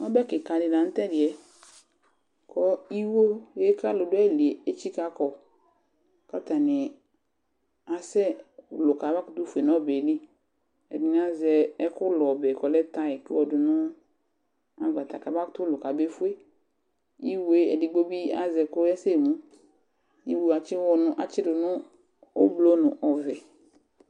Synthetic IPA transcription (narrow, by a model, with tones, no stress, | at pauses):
ɔ˦bɛ˦kɪ˨ka˨dɪ˨la˨˦n̩˦tɛ˦dɪ˨ɛ˨ | kʰɔ˦i˦wo˦je˦ka˦lʊ˨dʊ˦ɛ˦˨li˨e˨e˦t͡ʃi˦ka˦kɔ˨ | ka˦ta˨nɪ˨ | a˨sɛ˦˨lʊ˨ka˨ba˦kʊ˨tu˦fu˨e˨nɔ˦be˨li˦ | ɛ̰˨dɪ˨n˦a˦zɛ˨ɛ˦kʊ˦lɔ˨bɛ˨kɔ˨lɛ˦ta˦ɛ˨kɪ˦wɔ˨dʊ˨nʊ˦ | a̰˨va˨t̪a˨ka˨ba˦ktʊ˦lʊ˨ka˨be˦fu˦e˦ | i˦we˦ɛ̰˨dɪ˨˦ɡ͡bo˦bi˦a̰˦zɛ˨kʊ˦ɛ˦se˦˨mũ˦ | ji˦wu˦˨a˨t͡ʃɪ˦wɔ˨nʊ˦ʔa˨t͡ʃɪ˦dʊ˨nʊ̃˦ | o̰˦blo˦nʊ˨ʔɔ˨vɛ˨